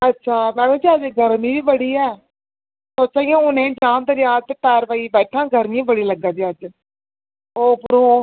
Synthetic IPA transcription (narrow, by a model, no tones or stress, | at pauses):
ətːʃʰaːmɛ̃ːnõːd͡ʒiːəd͡ʒɡʱəɾmĩːʋiːbəɽiːɛː | soːt͡ʃaːijãːʊnẽːd͡ʒãːnd̪əɾjaːt̪ep̪ɛːɾʋəiːbɛːʈʰãːɡəɾnĩːbəɽiːləɡãːd͡ʒ̪iːəd͡ʒ | oːpʊɾõː